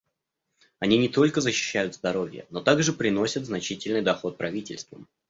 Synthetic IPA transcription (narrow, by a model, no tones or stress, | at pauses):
ɐnʲinʲɪt̪o̞lʲkəzəɕːɪ̥ɕːæjʊt̪zd̪ɐɾo̞vʲjə̰no̞t̪aɡʐɨpɾʲɪno̞sʲət̪znɐt͡ɕitʲɪlʲnɨjd̪ɐxo̞t̪̚pɾɐvʲitʲɪ̰lʲst̪və̰m